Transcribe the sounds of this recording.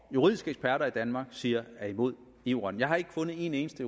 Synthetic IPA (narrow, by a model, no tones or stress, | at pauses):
juʁḭð̞ˠisɡ̥əeɡ̥spʰæɐɾɐid̥ænmɑ̈ːɡ̥siːɐæimo̝ð̞̰ˠ | iʊ̰ʁɐnjɑ̈ɪhɑ̈e̝ɡ̥əfɔ̽nð̩ˠe̝ne̝ːnəsd̥əu